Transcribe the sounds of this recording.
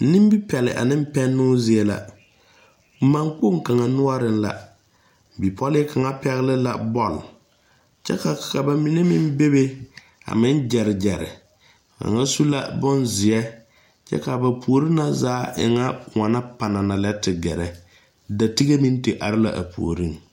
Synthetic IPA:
nɪ˦m˦bi˦pɛ˨lɪ̰˨ʔa̰˨nɪ˦m˦pɛ˦nːʊː˦zɪ˨ɛ˦la̰˨˦ | ma˨ŋk͡po˦˨ŋka˨ŋa˨nʊ˦a˦ɾɪ˦n˦la̰˨ | bi˨pʰɔ˦lɪ˦ka˨ŋa˦pɛ˦ɣɪ˦lɪ˦la̰˨bɔ˦˨l | t͡ʃɛ̰˦ka˨ka˨ba˨mi˨ne˦mɪ˦m˦be˦be˦ | a̰˨mɪ˦n˦d͡ʒɛ˨ɾɪ˨d͡ʒɛ˨ɾɪ̰˨ | ka̰˨ŋa˦su˦la̰˦bʊ˦nzɪ˨ɛ˦ | t͡ʃɛ̰˦ka˨ba˨pʰu˨o˨ɾi˦na˦zaː˨˦ʔɪ̰˨ŋa˦ʊ˨ŋa˨na˦pa˨na˨na˨lɛ˦tɪ˨ɡɛ˨ɾɛ˨ | da˨ti˦ɣe˦mi˦n˦te˨ʔa˨ɾɪ˦la̰˨ʔa̰˨pṵ˨o̰˨ɾi˦˨n

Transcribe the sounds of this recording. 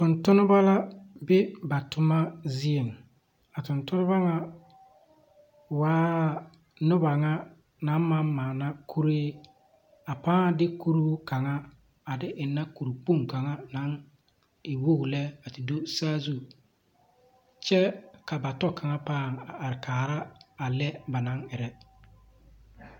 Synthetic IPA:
tʊ˨ntʊ˦nʊ˦ba˦la˦bɪ˦ba˨tʊ˨ma˦zi˦e˨ŋ | a˨tʊ˨ntʊ˦nʊ˦ba˦ŋa˦ | waː˦ | nʊ˦ba˨ŋa˦ | na˨˦nma˦nmaː˨na˦kʰu˦ɾeː˦ | a˨paː˦ŋ˨dɪ˦ku˦ɾu˦ka˨ŋa˦ | a˨dɪ˦ʔɪ˨nːa˦ku˨ɾu˨k͡pu˦ŋka˨ŋa˦na˨˦ŋ | ɪ˨wo˦ɡlɛ˦a˨tɪ˨do˦saː˦zu˦˨ | t͡ʃɛ˦ka˨ba˨tɔ˦ka˨ŋa˦paː˦˨ŋa˨a˨ɾɪ˨kʰaː˨ɾa˦a˨lɛ˦ba˨na˦ŋɪ˨ɾɛ˦

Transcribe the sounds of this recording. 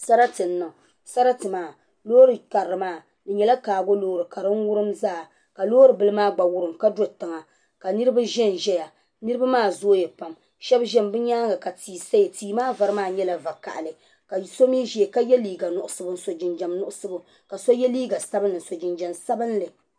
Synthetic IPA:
sa˦ɾa˦tɨ˨n̩ːa˨ | sa˦ɾa˦tɨ˨maː˦˨ | loː˦ɾɨ˨ka˨ɾːɨ˨maː˦˨ | dɨ˨ɲɛ˨la˦kaː˨ɡo˦loː˦˨ɾɨ˨ka˨ɾɨ˦n˦wʊ˦ɾɨ˦mzaː˦˨ | ka˨loː˦ɾɨ˨bɨ˦lɨ˦maː˦ɡ͡ba˨wʊ˦ɾɨ˨mka˦do˦tɨ˨ŋa˨ | ka˨nɨ˦ɾɨ˦ba˦ʒɛ˦nʒɛ˦ja˨ | nɨ˦ɾɨ˦ba˦maː˦˨zoː˦jɛ˨pa˨m | ʃɛ˦bʒɛ˦mbɨ˦ɲaː˦ŋɡa˨ka˨tiː˨sa˦jtiː˨maː˦va˨ɾɨ˦maː˦˨ɲɛ˦la˨va˨ka̰˨ʔa˨lɨ˨ | ka˨so˦mi˦ʒi˨e˨ka˦jɛ˦liː˨ɡa˨nʊ˨ʔʊ˦sɨ˦bɨ˦n̩˦˨so˨d͡ʒɪ˨nd͡ʒa˨mnʊ˦ʔʊ˦sɨ˦bʊ˦ | ka˨so˦jɛ˦liː˦ɡa˨sa˦bɨ˦nːɨ˨n̩˨so˨d͡ʒɪ˨nd͡ʒɛ˨msa˦bɨ˦nlɨ˨

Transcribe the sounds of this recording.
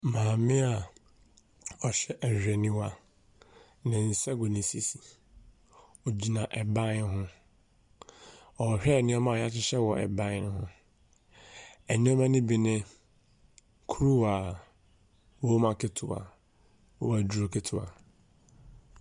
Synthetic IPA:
mãː˨mɪ̃˦a˨ | ɔ˨ɕɛ˦ʔɛ˨hᶣɛ˨nĩ˦wa˦ | nɪ̃˨n̩˨sɛ˦ɡo˨nĩ˨se˦si˨ | o˨d͡ʑi˨nã˨ʔɛ˨bã˦n˦ɦʊ̃˦ | ɔ˨hᶣɛ˦˨nɪ̃˦ɔ˦mã˦˨ja˦t͡ɕɪ˦ɕɛ˦wɔ˨ʔɛ̰˨bã˦n˦ɦʊ̃˦ | ɛ˨nĩ˦ɔ˦mã˦nɪ̃˦bi˨nɪ̃˦ | kʰu˦ɾu˦wa˨ | wo˦mã˦kʰe˦tʰʊ˨a̰˨ | ɔ˦wa˨du˨ɾo˨kʰe˦tʰʊ˨a̰˨

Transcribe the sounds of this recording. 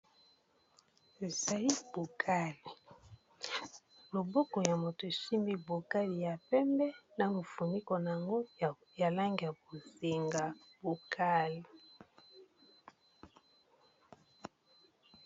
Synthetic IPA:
e˨za˨li˦bo˨kʰa˦li˨ | lo˨bo˦kɔ˨ja˨mo˨to˨ʃi˦mi˦bo˨ka˦li˨ja˨pɛ˦mbɛ˦na˨mo˨fu˨ni˦kɔ˨na˨a˨ŋɡo˦ | ja˨la˦ŋɡi˨ja˨bo˨ze˨ŋɡa˨bo˨kʰa˦li˨

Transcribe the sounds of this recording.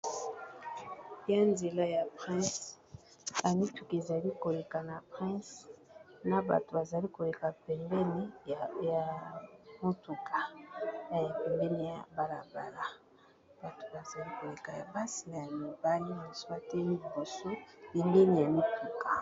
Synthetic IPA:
ja˦nze˨la˦ja˨pχɛ̃˦s | ja˨mi˦tu˨ke˨za˨li˦ko˨le˨ka˨na˨pʁɛ̃˦s | na˨ba̰˨to˨ba˨za˨li˦ko˨le˨ka˨pɛ˨mbɛ˦ne˨ja˨mo˦tu˨kʰa˨a˨ja˨pɛ˨mbɛ˦ne˨ja̰˨ba˨la˨ba˨la˨ | b̥a˨to̥˨ba˨za˨li˦ko˨le˨ka˨ja̰˨ba˦si˨na˨ja˨mi˨ba˦li˦na˨swa˦tɛ˦li˨bo˨so˦li˨ŋɡe˦ni˨ja˨mi˦tu˨ka˨

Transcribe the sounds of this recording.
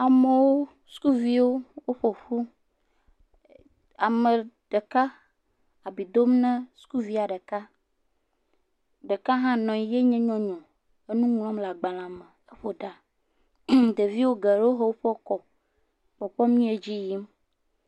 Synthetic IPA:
a˨me˨wo˦ | su̥˦ku˦vi˦wo˦wo˦ɸo˨ɸu˦ | a˨mẽ˨ɖ̥e˨ka˦ | a˨bi˨d̪o˦mnɛ̃˦su̥˦ku˦vi˦a˨ɖe˨ka˦ | ɖe˨ka˦ɦã˦nɔ̃˨i˨je˦ɲɛ̃˦ɲɔ̃˦ɲɔ̃˨ | e˦nũ˦ŋ˦l̃ɔ̃˦mla˨ɡ͡ba˨lã˨mẽ˨e˦ɸo˨ɖa˨ | d̪e˨vi˦wo˦ɡe˨ɾe˦wo˦ɦe˦wo˦ɸɔ˦kɔ˨ | ɸɔ˨ɸɔ˦mĩ˦e˨d͡ʑi˦ji˦m

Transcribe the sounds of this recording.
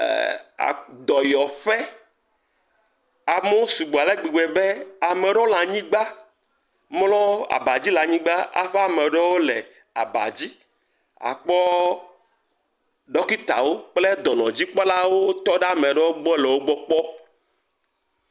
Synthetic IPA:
a̰˨d̪ɔ˨jɔ˨ɸɛ˦ | a˨me˦wo˦su˨ɡ͡bo˨a˨le˦ɡ͡bi˨ɡ͡be˨be˦a˨me˨ɖɔ˦la˨ɲĩ˦ɡ͡ba˦ | mlɔ̃˦a̰˨ba˨d͡ʑi˦la˨ɲĩ˦ɡ͡ba˦a̰˨ɸɛ˦a˨me˨ɖɔ˦wo˦le˨ | a̰˨ba̰˨d͡ʑi˦ | a̰˨k͡pɔ˦ | ɖɔ˦ki˦t̪a̰˨wo˦k͡ple˦d̪ɔ˨nɔ̃˨d͡ʑi˦k͡pɔ˦la˦wo˦t̪ɔ˦ɖe˦a˨mẽ˨ɖe˦wo˦ɡ͡bɔ˦lɛ˨wo˦ɡ͡bɔ˦k͡pɔ˦

